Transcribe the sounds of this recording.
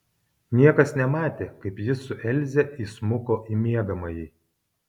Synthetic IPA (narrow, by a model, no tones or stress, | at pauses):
nʲiɛkɐsnʲɛmɑːt̪ʲeːkɐɪpjɪsʊʔɛlʲˑzʲɛʔismʊkoːʔimʲiɛɡɐmɐjiː